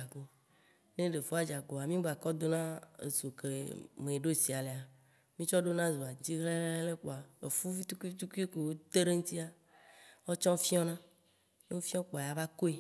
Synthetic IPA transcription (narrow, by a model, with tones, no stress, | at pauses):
a˨ɡo˨ | ne˦ɖe˨fo˦a˦d͡ʒa˨ɡo˨a˨mĩ˦ɡ͡ba˨kɔ˦d̪o˦nã˦ḛ˨so˨ke˨mẽ˨e˨ɖo˦si˨a˨le˨a˨ | mĩ˦t͡ʃɔ˦ɖo˦nã˦zo˨a˨d͡ʑi˦ɦle˦le˦le˦k͡po˨a˨ḛ˨fu˦fi˦t̪u˦ki˦t̪u˦ke˦ke˨wo˦t̪e˦ɖe˦ŋũ˦t̪i˦a˨ | wɔ˦t͡ʃɔ̃˦fi˦ɔ̃˦nã˦ | ne˦o˦fi˦ɔ̃˦k͡po˨a˨ja˨˦va˦ko˦e˦